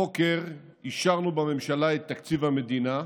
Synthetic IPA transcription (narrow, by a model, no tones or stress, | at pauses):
okeʁ | iʃaʁnubame̞mʃalaet̪ːakt͡sivhame̞d̪ina